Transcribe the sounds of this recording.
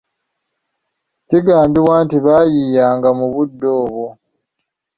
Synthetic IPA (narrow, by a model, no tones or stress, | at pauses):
ciɡaːmbiβwaːntiβaːjiːjaːŋɡamuβudːo̞ːβo